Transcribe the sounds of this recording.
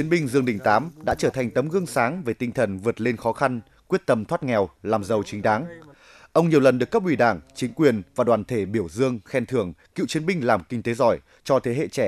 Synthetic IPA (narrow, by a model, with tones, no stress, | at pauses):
i˨˦ənɓï˧ŋ̟zɨ˧əŋɗï˧˩ŋ̟t̪aː˨˦mɗa̰ː˧˥t͡ɕəː˧˩t̪ʰa˨˩jŋ̟t̪ə˨˦mɣɨ˧əŋsaː˨˦ŋve˨˩t̪ï˧ŋ̟t̪ʰə˨˩nvɨ˨˩ət̚le˧nxɔ˨˦xa˧n | kwi˦˥ət̚t̪ə˧mt̪ʰwaː˦˥t̚ŋɛ˨˩wlaː˨˩mzə˨˩wt͡ɕï˨˦ŋ̟ɗaː˨˦ŋ | ʔə˧wŋ͡mɲi˨˩əwlə˨˩nɗɨ˨˩əkːə˥p̚ʔwi˧˩ɗaː˧˩ŋt͡ɕï˨˦ŋ̟kwi˨˩ənvaː˨˩ɗwaː˨˩nt̪ʰe˧˩ɓi˧˩əwzɨ˧əŋxɛ˧nt̪ʰɨ˧˩əŋkḭ˧˨wt͡ɕi˨˦ənɓï˧ŋ̟laː˨˩mkï˧ŋ̟t̪e˨˦zɔ˧˩j | t͡ɕɔ˧t̪ʰe˨˦ɦḛ˧˨t͡ɕɛ˧˩